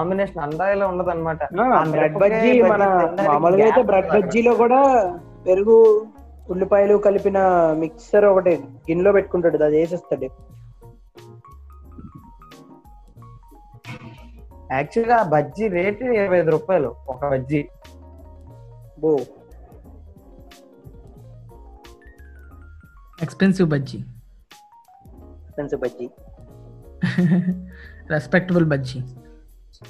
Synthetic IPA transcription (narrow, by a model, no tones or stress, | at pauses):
aːmbineːʂɐnɐnd̪aːjiloːuɳɖɐd̪ɐnːɐmaːʈɐaaɾɐɖbɐd͡ʒimɐnɐmaːmulɐɡaːjt̪eːbɾɐɖ̚bɐd͡ʒːilo̞ːkuːɽaː | pe̞ɾuɡu | uɭːipɐjlukɐlipinɐmiksɐɾɔkɐʈiɡinlo̞ːpe̞ʈːukuɳʈaːɽud̪aːd̪eːs̬ɛst̪ɐɖi | æːk̚t͡ʃulɡabʱɐd͡ʒiɾeːʈiɾɐʋɐjd̪uɾuːpaːjluɔkɐbʱɐd͡ʒi | bo | ekspensiʋbɐd͡ʒi | ekspensiwbɐd͡ʒi | ɾespek̚ʈɐbulbɐd͡ʒi